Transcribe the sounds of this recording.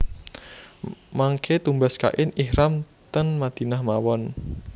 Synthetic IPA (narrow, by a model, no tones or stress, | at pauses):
maŋkʰet̪umbaska̰ʔɪnihɾam | t̪ənmad̪̥i̤nahmawɔn